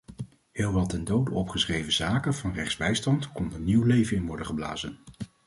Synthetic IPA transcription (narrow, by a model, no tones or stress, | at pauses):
hɪːlˠʋɑlˠtɛndowdəɔpχəsrejvəzaːkəvɑnrɛχdzbɛjstɑntkɔndəɹniwlejvənɪnʋɔɹdəχəbla̰ːzən